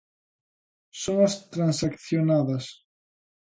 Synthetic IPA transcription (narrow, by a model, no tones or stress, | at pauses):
soŋast̪ɾãnsakθjonaðɐs